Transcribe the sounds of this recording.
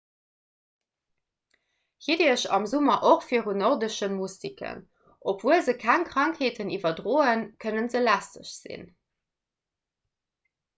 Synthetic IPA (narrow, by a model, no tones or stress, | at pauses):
hidiːəɕɑmzumɐʔoχfiəʁunoʁdəʃənmustikʰə̰n | ʔopv̥uəzəkʰæŋkʁɑŋkheːtʰənivɐdʁoːənkʰənənzəlæstəʃz̥ḭn